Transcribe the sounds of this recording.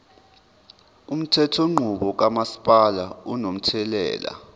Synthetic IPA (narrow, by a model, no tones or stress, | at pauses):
um̩tʰɛtʰɔŋ͡ǃʱuɓɔk̬amasi̥pʼalaunom̩tʰɛlɛ̰ːla̰